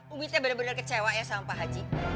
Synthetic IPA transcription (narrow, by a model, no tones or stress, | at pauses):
umit̪jabənabənarkət͡ʃewaʔjasaampaɦad͡ʒi